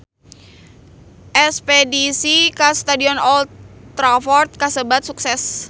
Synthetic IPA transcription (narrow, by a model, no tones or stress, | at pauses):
ʔɛspedisikast̪adiɔnɔlt̪t̪ːɾafɔrt̪̚kasəbat̪̚suksɛs